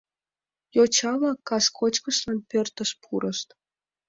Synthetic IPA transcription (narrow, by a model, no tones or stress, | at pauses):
jot͡ɕɑlɑkːɑskʰot͡ɕkəʃlɑnpørt̪əʃpʰuɾʔəʃt̪